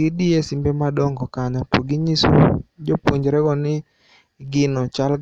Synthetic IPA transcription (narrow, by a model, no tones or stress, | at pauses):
idiesimbemadɔŋɡɔkaɲɔpo̰ɡiɲiso̰d͡ʒopwoɲd͡ʒɾɛɡɔnɪ | ɡɪnɔt͡ʃal